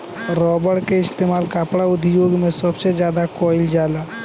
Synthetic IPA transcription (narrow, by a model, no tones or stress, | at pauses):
ɾɔːbəɽkeɪst̪eːmaːlkaːpɽaʊd̪ʱjoːɡmẽsəbsed͡ʒjaːd̪akɔːɪld͡ʒjaːlaː